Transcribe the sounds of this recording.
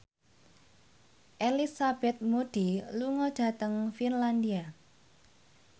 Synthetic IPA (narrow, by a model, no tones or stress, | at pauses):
ʔelisab̥ɛt̪̚moɖ̥iluŋɔd̥a̤t̪əŋfinland̪ia